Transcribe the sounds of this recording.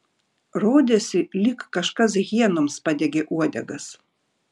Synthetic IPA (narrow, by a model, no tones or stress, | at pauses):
ɾoːd̪ʲesʲɪlʲɪkːɐʃkɐs̬ɣʲiɛnoːmspɑd̪ʲɛɡʲeʔuɔd̪ʲɛ̰ɡɐs